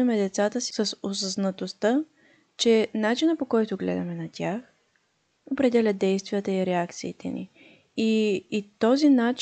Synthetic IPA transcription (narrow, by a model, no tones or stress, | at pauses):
ɐmɛd̪ɛt̪sat̪əsi̥səsosəznɐt̪ost̪ə | t͡ʃɛnat͡ʃinəpokɔjt̪ʊɡlɛ̰d̪ɐmɛnɐt̪ʲax | opɾɛd̪ɛlʲət̪̚d̪ɛjst̪vijət̪əiɾɛakt̪siːt̪ɛ̰nḭ | iːt̪ɔzinat͡ʃ